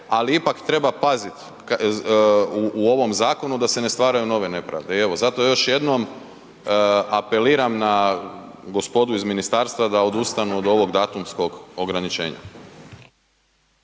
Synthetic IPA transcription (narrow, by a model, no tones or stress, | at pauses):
aliipakt̪ɾe̞bapazit̪ | k | uuo̞ʋo̞mzaːko̞nud̪ase̞nest̪ʋaːɾajuno̞ʋe̞ne̞pɾa̰ʋd̪e̞ie̞ʋo̞zat̪o̞jo̞ʃje̞d̪no̞m | ape̞liːɾamna | ɡospo̞d̪uizminist̪aːɾst̪ʋad̪ao̞d̪ust̪anuod̪o̞ʋo̞ɡd̪aːt̪umsko̞ɡo̞ɡɾanit͡ʃe̞̰ːɲa̰